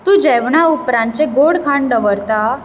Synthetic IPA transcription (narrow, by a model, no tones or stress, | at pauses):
t̪ũːd͡ʑɛʋɳaupɾãnt͡ɕeɡoɽkʰaɳɖəʋəɾt̪a